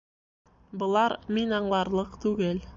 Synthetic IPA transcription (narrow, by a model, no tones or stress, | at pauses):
bɤ̆lˠɑɾminɑɴlˠɑɾlˠɤqt̪ʉɡɘl